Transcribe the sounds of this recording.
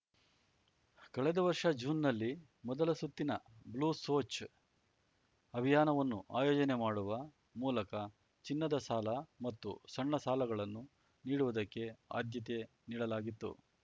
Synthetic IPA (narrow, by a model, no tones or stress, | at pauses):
kɐɭɛd̪ɐʋɐɾʂɐd͡ʒuːnːɐlːi | mɔd̪ɐlɐsut̪ːinɐbluːso̞ːt͡ʃ | ɐbʱijaːnɐʋɐnːuʔaːjɔːd͡ʒɐnemaːɽuʋɐ | muːlɐkɐ | t͡ʃinːɐd̪ɐsaːlɐmɐt̪ːṵsɐɳːɐsaːlɐɡɐɭɐnːu | niːɽuʋud̪ɐkːe̞a̰ːd̪jɐt̪̬e̞ | niːɽɐlaːɡit̪ːṵ